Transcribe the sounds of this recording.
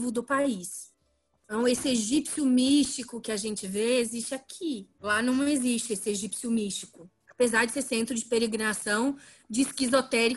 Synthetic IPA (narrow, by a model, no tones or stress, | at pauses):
vʊd̪ʊpais | nɐ̃w̃esɪeʒipsjʊmiʃt͡ʃikʊkɪaʒẽnt͡ʃɪveezist͡ʃɪakʰilanɐ̃w̃ezist͡ʃɪesɪeʒipsjʊmiʃt͡ʃikʊ | apezaɾd͡ʒɪseɾsẽnt̪ɾʊd͡ʒɪpeɾeɡɾinasɐ̃w̃ | d͡ʒɪːskizot̪ɛɾi